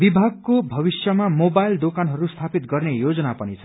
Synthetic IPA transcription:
bibʱaɡ̚kobʱʌbisjʌmamobajld̪okanɦʌɾust̪ʰapit̪ɡʌrnejod͡zʌnapʌnit͡sʰʌ

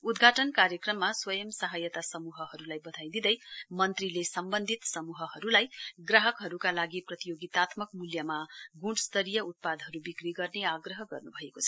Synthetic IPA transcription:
ud̪ɡʱaʈʌnkaɾjʌkrʌmːaswʌjʌmsaɦʌjʌt̪asʌmuɦʌɦʌɾulajbʌd̪ʱajd̪id̪ʌjmʌnt̪rilesʌmbʌnd̪ʱit̪sʌmuɦʌɦʌɾulajɡraɦʌkɦʌɾukalaɡiprʌt̪ijoɡit̪at̪mʌkmuljamaɡũɽst̪ʌɾijʌut̪̚pad̪ɦʌɾubikriɡʌrneaɡrʌɦʌɡʌ̰rnubʱʌekot͡sʰʌ

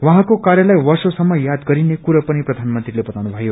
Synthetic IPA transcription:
waɦãkokaɾjʌlʌjwʌrsosʌmːʌjad̪ɡʌɾinekuɾʌpʌniprʌd̪ʱanmʌnt̪rilebʌt̪awnubʱʌjo

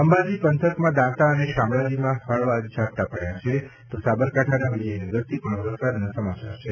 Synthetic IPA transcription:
əmbad͡ʒipənt̪ʰəkmãd̪ãt̪aəneʃamɭad͡ʒimãhəɭʋad͡ʒd͡ʒʱat̪apəɽjat͡ʃʰet̪osabəɾkaʈʰanaʋid͡ʒəjnəɡəɾt̪ʰipəɳʋɾəsad̪nãsəmat͡ʃa̰ɾt͡ʃʰe

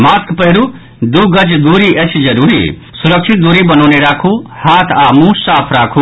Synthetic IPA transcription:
maːskpəɦiɾu | d̪uɡəd͡ʒd̪uːɾiʔət͡ʃʰd͡ʒəɾuːɾḭ | suɾəkt͡ʃʰit̪̚d̪uːɾibənɔːneɾaːkʰuhaːt̪ʰaːmũsaːpʰɾaːkʰu

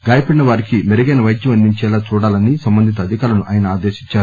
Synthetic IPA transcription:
ɡaːjɐpɐɽinɐʋaːɾikimeɾiɡɐːnɐʋɐjd̪jɐmɐnd̪iɲt͡ʃɛːlaːt͡ʃuːɽaːlɐnisɐmbɐnd̪ʱit̪̬ɐːd̪ʱikaːlɐnuʔaːjɐnɐaːd̪eːʃi̥t͡ʃːaːɾu

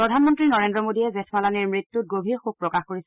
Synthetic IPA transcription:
ɹɔdʱanmɔntɹinɔɹendɹɔmodijɛzɛtʰmalaniɹmɹitːut̚ɡobʱiɹxub̚pɹɔkaxkoɹis

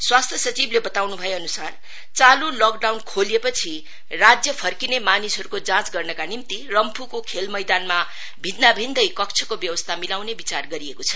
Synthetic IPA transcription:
swast̪ʰjʌsʌt͡siblebʌt̪awnubʱʌjeʌnusar | t͡salulokɖawnkʰolepʌt͡sʰi | rad͡zjʌpʰʌrkinemanisɦʌɾukod͡zãt͡sɡʌrnʌkanimt̪irʌmpʰukokʰelmʌjd̪anma | bʱid̪nabʱind̪ʌjkʌk̚t͡sʰʌkobjʌwʌst̪ʰamilawnebit͡sarɡʌɾiekot͡sʰʌ̥

